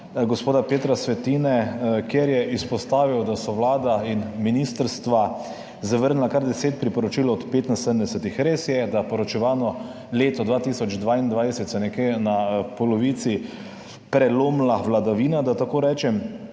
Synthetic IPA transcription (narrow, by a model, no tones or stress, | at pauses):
ɡɔspoːd̪apeːt̪ɾasʋɛt̪iːnɛkjeɾjɛʔispɔst̪aːʋiwd̪asɔʋlaːd̪ainminist̪əɾst̪ʋa | zaʋəɾnlakaɾd̪ɛseːt̪̚pɾipɔɾɔt͡ʃiːlɔt̪peːt̪nasəd̪əmd̪ɛsət̪ixɾeːsjɛd̪apɔɾɔt͡ʃɛʋaːnɔ | leːt̪ɔd̪ʋaːt̪isɔd͡ʒd̪ʋaːind̪ʋajsɛt̪sɛnɛkenapɔlɔʋit̪si | pɾɛloːmlaʋlad̪aʋiːnad̪at̪akoːɾɛːt͡ʃɛm